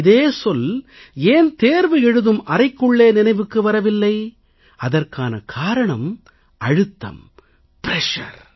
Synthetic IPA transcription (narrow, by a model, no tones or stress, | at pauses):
ðeːsɔleːnt̪eːɾʋɯɛɻɯðɯmʔɐrɐɪkːɯɭːeːnɪnɐɪʋɯkːɯʋɐɾɐʋɪlːɐɪ | ɐðɐrkaːnɐkʰaːɾɐɳɐm | ɐɻɯt̪ːɐ̰m | pɪɾɛʂɐ̰ɾ